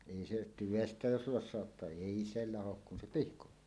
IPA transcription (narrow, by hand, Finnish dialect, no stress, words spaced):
eˑi se tyʋestæ jos losˑɑotːɑː eˑi se lɑhok kun se pihkotːuː